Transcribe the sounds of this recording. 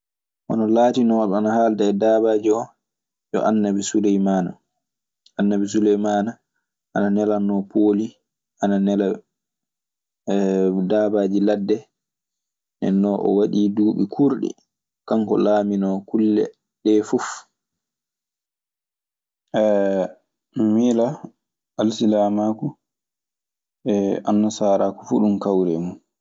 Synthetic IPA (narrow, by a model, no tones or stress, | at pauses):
ʔɔnɔlaːtinɔɗɔanahaːldaɛdaːbaːd͡ʒiɔ | jɔ̰ʔanːabisulɛjmaːna̰ | ʔanːabis̬ulɛjmana | ʔananɛlanːɔpʰoːli | ʔananɛla | daːbaːd͡ʒiladːɛ | nɛ̰nːɔʔɔ̰waɗiːduːɓikʰuɾɗḭ | kaŋkɔ̰laːminɔkulːɛ̰ | ɗɛfuf | ʔɛ | mila | alsilamaku | ɛa̰nːasaːɾaku̥fuɗumkawɾɛmun